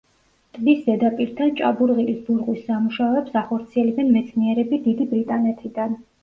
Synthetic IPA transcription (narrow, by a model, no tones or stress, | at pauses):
t̪ʼd̪isd̪ɛd̪apʼiɾt̪ʰant͡ʃʼa̰buɾʁilisb̪uɾʁwisːamuʃaɔɛpsaχɔɾt̪sʰiɛlɛbɛnmɛt̪sʰniɛɾɛbid̪id̪ibɾit̪ʼanɛt̪ʰid̪an